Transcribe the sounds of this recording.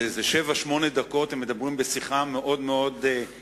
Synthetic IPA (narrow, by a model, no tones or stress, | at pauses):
ezeʃevaʃmo̞ned̪ako̞t̪emːed̪abʁimbesiχameʔo̞d̪meo̞d̪